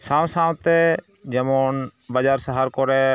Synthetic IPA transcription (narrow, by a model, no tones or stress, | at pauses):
sãːwsãːwt̪ɛ | d͡ʒɛmoːnbad͡ʒaːɾsəɦaːɾkɔɾɛ